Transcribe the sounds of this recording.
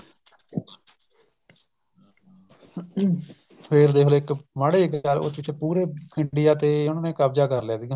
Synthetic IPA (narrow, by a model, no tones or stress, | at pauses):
pʰeɾd̪eːɦoloːɪkmaːɽeːɪkalo̰t͡ʃɪt͡ʃʰːpuːɾeːɪɳɖɪjaːt̪eːnːnẽːkaːbd͡ʒaːkəɾlɛːd̪iːɡãː